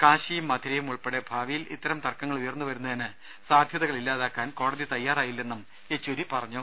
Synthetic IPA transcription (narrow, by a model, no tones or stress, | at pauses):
kaːɕijumːɐd̪ʱiɾɐjumuɭpeɽebʱaːʋijilḭt̪ːɐɾɐmt̪ɐrkːɐŋːɐɭujɐrnːuʋɐɾunːɐðinɨ | saːd̪ʱjɐðɐɣɐɭilːaːðaːkːaːnko̞ːɽɐðit̪ɐjːaːraːjilːe̞nːum | et͡ɕːoɾipɐrɐɲːu